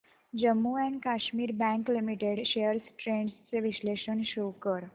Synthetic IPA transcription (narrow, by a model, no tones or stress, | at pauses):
d͡ʑəmːuɛ̃ɳɖkaɕmiːɾbæ̃ŋklimiʈeɽɕeəɾsʈɾeɳɖst͡seʋiɕleʃənɕowkəɾ